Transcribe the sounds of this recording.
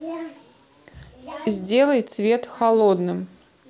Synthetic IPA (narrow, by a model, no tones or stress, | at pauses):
zʲdʲe̞lˠəjt̪svʲet̪xɐlˠod̪nɨm